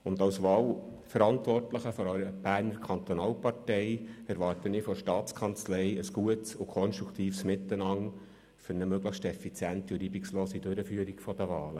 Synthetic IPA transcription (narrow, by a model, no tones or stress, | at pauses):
ʊnd̪ɑwsʋɑːlfəɾɑnt̪vʋɔrtləχəfɔɾœʏɾəb̥æːrnəɾkʰɑnt̪ɔnɑːlpɑrtɛɪɛɾʋɑːrtənifɔʃtɑːt͡skʰɑnt͡slɛɪəsɡ̥uətsʊkʰɔnʃtɾukʰt̪iːfsmɪt̪ːənɑŋ | fʏɾnəmøɡləxʃtɛfit͡sjænt̪iʊliːbiksloːsidøɾəfyːəɾikfɔd̥̪əʋɑːlə